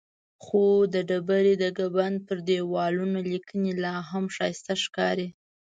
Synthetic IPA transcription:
xod̪əɖabaɾid̪əɡaband̪̚pəɾd̪ewɑlunolikənilɑɦamʃɑjst̪aʃkɑɾi

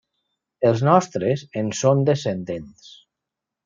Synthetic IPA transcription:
elˠznɔst̪ɾezensond̪esend̪ens

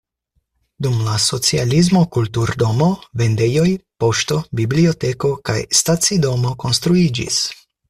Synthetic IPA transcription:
dumlaso̞t͡sializmo̞kultuɾdo̞mo̞ve̞nde̞jo̞jpo̞ʃto̞biblio̞te̞ko̞ka̰jstat͡sido̞mo̞ko̞nst̪ɾuid͡ʒḭs

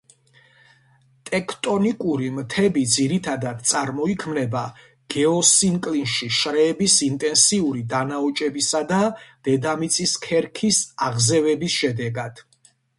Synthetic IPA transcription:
t̪ʼɛkʰt̪ʼɔnikʼuɾimt̪ʰɛbid̪ziɾit̪ʰad̪ad̪t̪sʼaɾmɔikʰmnɛba | ɡ̥ɛɔsiŋkʼlinʃiʃɾɛːbisint̪ʼɛnsiuɾid̪anaɔt͡ʃʼɛbisad̪ad̪̥ɛd̪amit̪sʼiskʰɛɾkʰisaʁzɛvɛbisʃɛd̪ɛɡad̪̥

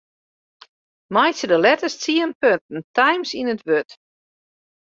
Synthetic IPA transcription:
majtsədəlɛtəst͡siənpønt̚n̩tajmsinətʋøt

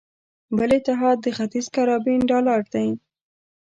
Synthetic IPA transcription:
bəlet̪ɪɦɑd̪̚ːəxat̪izkaɾɑbinɖɑlaɾd̪aj

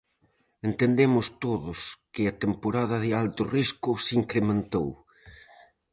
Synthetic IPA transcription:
ent̪end̪emʊst̪oðʊskɪɐt̪empoɾaðɐðɪalt̪ʊriskʊsiŋkɾemẽnt̪ow

